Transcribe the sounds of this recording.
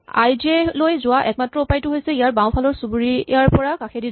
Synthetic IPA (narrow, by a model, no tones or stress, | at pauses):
a̰jzelojzʊaʔɛk̚matɹɔupajtʊɦojsɛijaɹbaw̃pʰalɔɹsubuɹiaɹpɔɹakaxʰedi